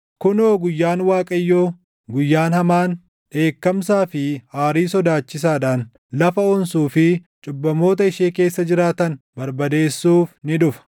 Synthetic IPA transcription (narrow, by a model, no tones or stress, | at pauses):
kʊnoːɡʊjːaːnwaːkʼɐjːoː | ɡʊjːaːnhɐmaːn | ᶑe̞ːkːɐmsaːfɪhaːɾiːsɔd̪aːt͡ʃːɪs̬aːɗaːn | lɐfɐoːnsuːfɪt͡ʃʼʊbːɐmo̞ːt̪̬ɐɪʃeːke̞ːsːɐd͡ʒɪɾaːt̪ɐnbɐɾbɐd̪e̞ːsːuːfnɪᶑʊfɐ̥